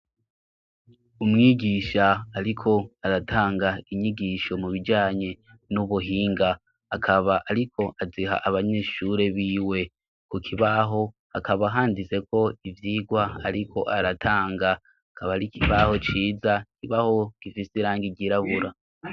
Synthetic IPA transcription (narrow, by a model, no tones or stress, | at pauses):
umŋiːɟiːʃaːɾikʰo̞aɾataːŋɡaiɲiɟiːʃo̞muβid͡ʒaːɲe̞ | nuβuɦiːŋɡaː | kʰaβaʔːɾikʰo̞ʔaziɦa̰ʔaβaɲe̞ːʃuɾe̞βiːwe̞ | kukʰiβaɦo̞ | hakʰaβaɦaːndize̞kʰo̞ivjiːɡwaaɾikʰo̞ʔaɾatʰaːŋɡa | akʰaβaɾikʰiβaho̞t͡ʃiːzakiβaho̞ɡ̥ifisiɾaːŋɡiɟiɾaβuɾa